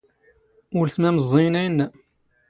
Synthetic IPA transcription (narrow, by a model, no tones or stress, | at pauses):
ʊɾθmæməzˤːejnæjənːæ